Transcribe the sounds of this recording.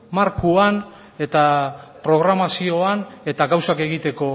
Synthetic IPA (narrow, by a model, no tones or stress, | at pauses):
maɾkuan | e̞t̪apɾo̞ɣ̞ɾamasio̞ane̞t̪aɣawsake̞ɣit̪e̞ko̞